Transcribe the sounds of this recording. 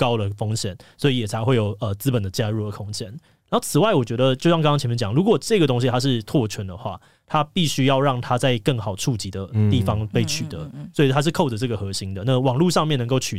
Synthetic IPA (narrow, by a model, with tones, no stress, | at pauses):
kɑ˦ʊlə˨fo˥ŋɕjɛ̰˨˦nswɔ˧˥i˨˦jɛ˨˩t͡sʰa˧˥ɪxwe˥˩ɪjo˨˩ʊə˨˩t͡sɹ̩˥pə˨˩nd̪ə˦t͡ɕja˥ɻu˥˩ə˩kʰo˥ŋt͡ɕʰjɛ˥n | na˨˧˦o˥ʊt͡sʰɹ̩˨˩wa˥˩ɪwɔ˨˩t͡ɕɥɛ˧˥d̪ə˨t͡ɕjo˥˧ʊɕjŋkŋkɑ˥ŋt͡ɕʰmɛ˧˥˧t͡ɕjɑ˨˩ŋlu˧˥kwɔ˨˩ʈ͡ʂɤ˥˧ɡə˩t̪o˥ŋɕ̬i˧t̪ʰa˥ʂ̬ɻ̩˥˧t̪ʰwɔ˥˨t͡ɕʰwə˧˦˥nd̪ə˨xwa̰˥˩ | t̪ʰa˦pi˥˩ɕy˥jɑ˥˧ʊɻɑ˥˩ŋt̪ʰa˥t͡sa˥˧ɪkə˥˩ŋxɑ˨˩ʊʈ͡ʂʰu˥˩t͡ɕi˧˥d̪ə˧t̪i˥˩fɑ˦˥ŋpe˥˩ɪt͡ɕʰy˨˩d̪ə̰˧˦swɔ˧˥i˨˩t̪ʰa˦˥ʂ̬ɻ̩˥˧kʰo˥˩ʊdə˩ʈ͡ʂɤ˥˩ɡə˩xɤ˧˥ɕi˧˥ŋd̪ə˨na˥˨wɑ˨˩ŋlu˥˧ʂɑ˥˧ŋmjɛ˥˨nə˧ŋko˥˩ʊt͡ɕʰy˨